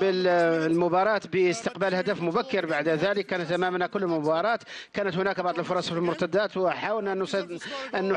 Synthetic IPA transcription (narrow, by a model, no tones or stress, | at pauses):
bəllmʊbɑɾˤɑt̪bəst̪əqbælhæd̪æfmʊbækːəɾbaʕd̪ðæləkːæːnət̪ːʔæmæmnækʊlːəlmʊbɑɾˤɑːt̪kæːnət̪hʊnækbɑʕd̪ˤəlfʊɾˤɑsˤfilmʊɾt̪æd̪æt̪wħaːwəlnʔnːsiʔənːʊ